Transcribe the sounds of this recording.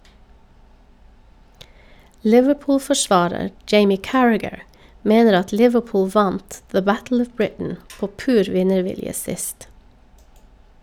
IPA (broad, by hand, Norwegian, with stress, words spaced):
ˈlɪʋəˌpʊːlfɔˌʃʋɑːɾəɾ ˈd͡ʒeɪmɪ ˈkæɹæɡəɹ ˈmeːnəɾ ˈɑt ˈlɪʋəˌpʊːl ˈʋɑnt ðə ˈbætl̩ ˈɔʋ ˈbɹɪtn̩ ˈpoː ˈpʉːɾ ˈʋɪnəˌʋɪljə ˈsɪst